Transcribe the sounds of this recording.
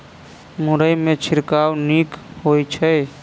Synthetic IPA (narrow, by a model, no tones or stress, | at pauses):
mʊɾəjmẽt͡ʃʰɪɾkawnikhojt͡ʃʰə